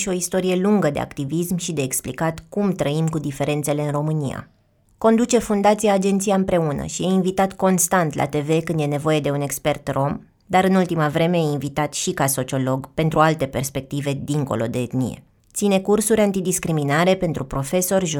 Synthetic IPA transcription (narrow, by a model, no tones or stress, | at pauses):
ʃio̞ist̪o̞ɾije̞luŋɡəd̪e̞̰a̰kt̪ivismʃid̪e̞ːksplḭkat̪kumt̪ɾəimkud̪ife̞ɾe̞nt̪se̞le̞ɨnro̞mɨnija̰ | ko̞nd̪ut͡ʃe̞fund̪at̪sijaːd͡ʒe̞nt̪sijaɨmpɾe̞unə̰ʃieinvit̪at̪ko̞nst̪ant̪lʔa̰t̪e̞ve̞kɨnd̪je̞ne̞vo̞je̞d̪e̞une̞kspe̞rt̪ro̞m | d̪aɾɨnult̪imavɾe̞me̞invit̪at̪ʃikaso̞t͡ʃio̞lo̞ɡpe̞nt̪ɾualt̪e̞pe̞rspe̞k̚t̪ive̞d̪iŋko̞̰lo̞̰d̪e̞ːt̪nḭjḛ | t̪sine̞kursuɾʲant̪id̪iskɾiminaɾe̞pe̞nt̪ɾupɾo̞fe̞so̞rʲʒ